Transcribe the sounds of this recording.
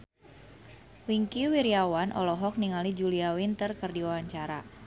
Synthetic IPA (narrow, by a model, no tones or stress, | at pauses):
wiŋkiwiɾiawanʔɔ̰lɔɦɔk̚niŋalid͡ʒuliawint̪ərkɨrdiwawaɲt͡ʃaɾa